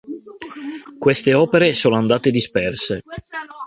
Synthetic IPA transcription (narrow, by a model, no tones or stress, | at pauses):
kwest̪eɔːpeɾesoːnoand̪aːt̪ed̪ispɛrse